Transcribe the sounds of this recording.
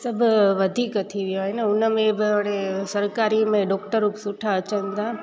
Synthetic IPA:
sɐbʱʋɐd̪ʱiːkət̪ʰiʋijoɦɪnəʊnəmẽbɪaɽ̃esɐɾkaːɾimẽɖɔːkʈəɾʊpsʊʈʰaɐt͡ɕənt̪aː

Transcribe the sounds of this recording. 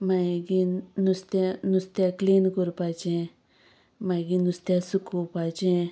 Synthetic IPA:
maɡinust̪enust̪akliːnkuɾpat͡ʃẽ | mãɡinust̪asukupat͡ʃẽ

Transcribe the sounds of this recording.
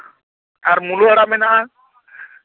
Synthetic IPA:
aɾmuluaɾamɛnaa

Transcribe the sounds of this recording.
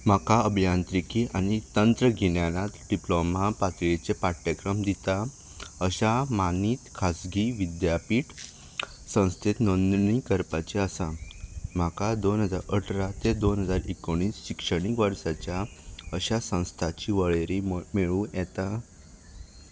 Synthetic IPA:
m̤akaəbʱijant̪ɾikiːʔañit̪ənt̪ɾəɡʱiɳjanat̪ɖiplomapat̪ɭet͡sepaʈːəkɾəmd̪it̪a | əɕamaniːt̪kʰasɡiːʋid̪japiːʈ | sə̃w̃st̪ʰet̪nond̪nikəɾpat͡ɕeəsam̤akad̪onɦəd͡zaɾəʈʰɾat̪ed̪onɦəd͡zaɾekoɽ̃iːsɕikʂəɽ̃ikʋəɾsat͡ɕjaəɕasə̃w̃st̪ʰat͡ɕiːʋəɭeɾimeɭũjɛt̪a

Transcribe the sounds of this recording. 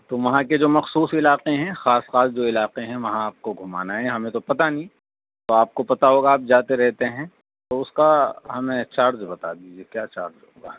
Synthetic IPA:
t̪oːʋɐɦãked͡ʒoːmɐxsuːsɪlaːqeɦɛ̃xaːsxaːsd͡ʒoːɪlaːqeɦɛ̃ʋɐɦãaːp̚koɡʱʊma̰ːnaɦɛ̃ɦɐmẽt̪opɐt̪anĩː | t̪oaːp̚kopɐt̪aɦoːɡaːp̚d͡ʒaːt̪eɾɛɦt̪eɦɛ̃ | t̪oʊskaɦɐmẽt͡ʃaːɾd͡ʒbɐt̪a̰ːd̪id͡ʒekjaːt͡ʃaːɾd͡ʒɦo̰ːɡaː

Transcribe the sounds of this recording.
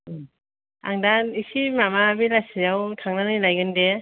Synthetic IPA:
aŋdanisimamabilasijawtʰaŋnanilajɡɯnde

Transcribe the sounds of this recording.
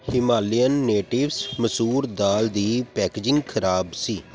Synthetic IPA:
hɪmaːlijənːeːʈɪʋsməsuːɾd̪aːld̪iːpɛːkeːd͡ʒɪ̃ŋɡkʰəɾaːbsiː

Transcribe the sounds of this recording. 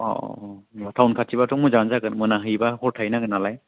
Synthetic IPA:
ɔ̰ | tʰawnkʰatʰibatʰɔŋmujzanzaɡɯnmɯnaɦɯjbahɔɾtʰajnaɡɯnalaj

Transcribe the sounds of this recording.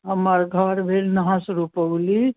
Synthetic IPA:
ɦəməɾɡʱəɾbʱelnəɦãsɾupəʊli

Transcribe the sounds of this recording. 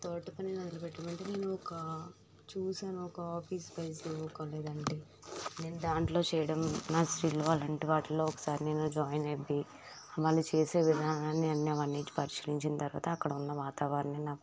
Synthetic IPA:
t̪oːʈːɐpɐninɐd̪ɐlɐpɛʈːɐmɐɳʈeːne̞ːnuɔkɐ | t͡ʃuːsaːnuɔkɐaːpiːspɐjsiʋɔːkɐːleːd̪ɐɳɖeː | ne̞ːnud̪aːɳʈlo̞ːt͡ʃɛːjɐɽɐmnaːsɾiːlo̞ːɐlɐɳʈiʋaːʈːilo̞ːɔkɐ̥saːɾineːnod͡ʒaːjnebːi | ɐʋaːlːut͡ʃeːse̞ːʋid̪ʱaːnɐnaːnːiɐnːiɐʋɐnːiːt͡ʃi̥pɐɾiʃiliɲt͡ʃint̪ɐɾuʋa̰ːt̪ɐːkːɐɽɐunːɐʋaːt̪aːʋaːɾɐninaːku

